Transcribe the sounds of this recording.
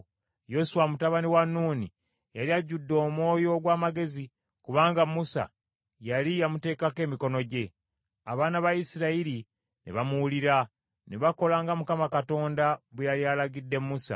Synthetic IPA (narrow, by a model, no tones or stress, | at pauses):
jo̞suwamutaβaniwanːuːni | jaliaɟːudːo̞ːmwo̞ːjo̞ɡwaːmaɡe̞zi | kuβaːŋɡamusa̰ | jalijamute̞ːkake̞ːmiko̞no̞ɟe̞ | aβaːnaβaisiɾaiɾi | nḛβamuuliɾa | neβako̞laːŋɡamukamakato̞ːndaβejalialaɡidːe̞mːusa̰